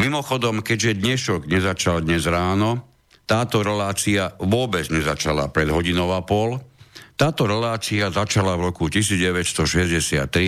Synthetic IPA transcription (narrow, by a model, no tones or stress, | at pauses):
mimɔxɔd̪ɔmkɛɟʒɛd̪ɲɛʃɔɡɲɛzat͡ʃald̪ɲɛzɾaːnɔ | t̪aːt̪ɔɾɛlaːt͡siaʋʊɔbɛd͡zɲɛzat͡ʃala̰pɾɛd̪ɦɔɟinɔʊapɔlt̪aːt̪ɔɾɛlaːt͡siazat͡ʃalavɾɔkucis̬iːd͡zɟɛʋɛcst̪ɔʃɛzɟɛsɪa̰t̪ːɾi